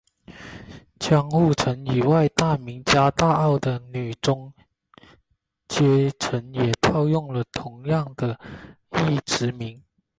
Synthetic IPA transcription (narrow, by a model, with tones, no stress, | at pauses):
t͡ɕʰjɑ˥ŋxu˥˩ʈ͡ʂʰə˧˥ni˨˩wa˥˧ɪt̪a˥˩mi˧˥ŋt͡ɕja˥t̪a˥˧ɑ˥˩ʊd̪ə˨˩ny˨˩ʈ͡ʂʊ˥ŋ | t͡ɕjɛ˥ʈ͡ʂʰə˧˥njɛ˨˩t̪ʰɑ˥˧ʊjʊ˥˩ŋlə˨t̪ʰʊ˧˥ŋjɑ˥˩ŋd̪ə˨ | i˥˩ʈ͡ʂɻ̩˧˥mi˧˥ŋ